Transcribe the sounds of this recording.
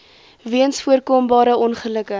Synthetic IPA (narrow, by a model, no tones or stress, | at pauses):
viənsfuərkoːmbɑːɾəɔnχələkə